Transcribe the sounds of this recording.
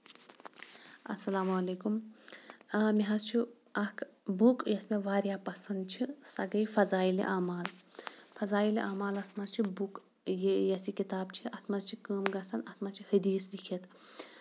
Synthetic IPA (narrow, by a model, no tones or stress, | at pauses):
ɐ̰sɐlaːmɐleːkum | miɦɐzt͡ʃʰi | ɐkʰbukjɐsmeʋaːɾjaːpɐsɐnd̪̚t͡ʃʰisɐɡɐjfɐzaːilḭʔaːmaːlfɐzaːiliʔaːmaːlɐsmɐzt͡ʃʰibuk | jjɐsikit̪aːbt͡ʃʰiɐt̪ʰmɐzt͡ʃʰikəːmɡɐsɐnɐt̪ʰmɐzt͡ʃʰihəd̪iːslikʰet̪ʰ